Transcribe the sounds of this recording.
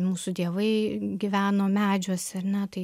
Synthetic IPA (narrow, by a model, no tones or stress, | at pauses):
muːsʊd̪ʲiɛʋɐɪɡʲɪʋʲæːnoːmʲæːd͡ʒʲoːsɐɾnʲɛt̪ɐɪ